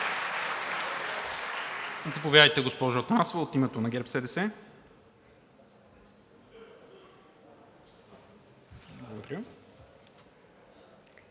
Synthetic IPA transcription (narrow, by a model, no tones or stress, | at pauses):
zɐpovʲjaəjt̪ɛɡospɔʒoot̪ɾasovəot̪imɛt̪onɐɡʲɛɾpsɛd̪ɛsɛ | blˠɐɡod̪ɐɾjə